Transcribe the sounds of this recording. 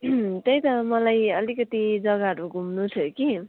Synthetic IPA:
t̪ʌjt̪ʌmʌlajʌlikʌt̪id͡zʌɡaɦʌɾuɡʱumnut͡sʰʌki

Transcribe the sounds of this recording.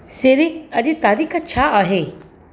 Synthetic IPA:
seɾiɐd͡ʒit̪aːɾikʰɐt͡ʃʰaaɦe

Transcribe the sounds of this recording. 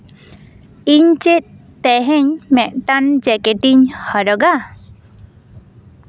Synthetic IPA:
iɲt͡ʃɛt̪̚ˀ | t̪ɛɦɛɲmɛʔ̚ʈand͡ʒɛkɛʈiɲhɔɾɔɡa

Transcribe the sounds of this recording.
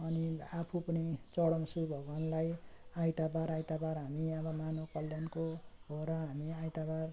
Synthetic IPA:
ʌniapʰupʌnit͡sʌɽʌmsubʱʌɡʌnlajajt̪abaɾajt̪abaɾɦamiʌbʌmanokʌljankoɦoɾʌɦamiajt̪abar

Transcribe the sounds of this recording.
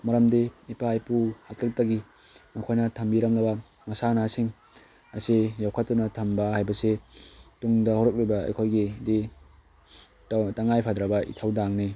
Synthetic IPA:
mɐɾɐmdeipajpuhalɐk̚tɐɡi | mɐkʰojnɐtʰɐmbiɾɐmlɐbɐ | mɐsanasiŋ | ɐsejawkʰɐt̚tːunɐtʰɐmbɐɦajbɐsetuŋdɐhɔɾɐk̚ɾibɐɐ̰jkʰojɡidi | taŋajpʰadɾɐbɐḭtʰawdaŋni

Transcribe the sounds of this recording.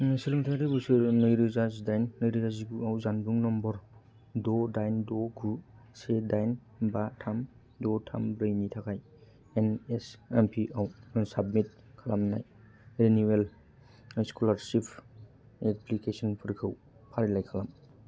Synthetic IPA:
silɯŋtʰakɾibusɯɾnɯjɾizazdajnːɯjɾizazibuawzanbuŋnɔmbɔɾ | dɔdajndoɡʰu | sedajn | batʰam | dɔtʰa̰mɾɯjnitʰakʰaj | enesempʰiawsabmit̚ | kʰalamna̰j | ɾeniwel | skulaɾsipʰ | eplikesɔnpʰɯɾkʰɯw | pʰaɾilajkʰalam

